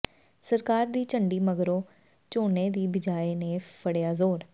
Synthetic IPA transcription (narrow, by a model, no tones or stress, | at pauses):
səɾkaːɾd̪iːt͡ʃəɳɖiːməɡɾõː | t͡ʃoːneːd̪iːbɪd͡ʒaːeːneːpʰəɽejaːzoːɾ